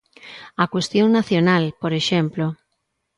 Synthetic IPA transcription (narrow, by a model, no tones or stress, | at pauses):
akwest̪joŋnaθjonalpoɾeʃemplo